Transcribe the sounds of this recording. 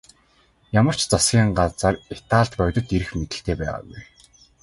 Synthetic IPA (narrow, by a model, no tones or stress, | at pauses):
jamə̆r̥t͡ɕt͡sasɡʲiːɴɢat͡sə̆ret̪aːɮt̪pœwʲt̪ɞ̆t̪eɾɘ̆xmet̪ɘ̆ɬt̪eːpæ̰ːʁa̰ːɡuj